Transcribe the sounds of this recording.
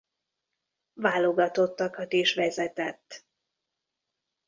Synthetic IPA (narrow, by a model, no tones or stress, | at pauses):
vaːlo̞ɡɒt̪o̞t̪ːɒkɒt̪eːʃʋɛzɛt̪ɛt̪ː